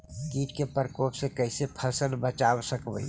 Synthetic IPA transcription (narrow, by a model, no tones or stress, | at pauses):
kiːʈkepəɾkoːpsekəɪsepʰəsəlbət͡ʃaːwsəkbə̰i